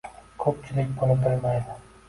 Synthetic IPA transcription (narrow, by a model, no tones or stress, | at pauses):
kʰɵp̚t͡ʃʰɪlɪkʲbolɪbɪɾmajd̪ɪ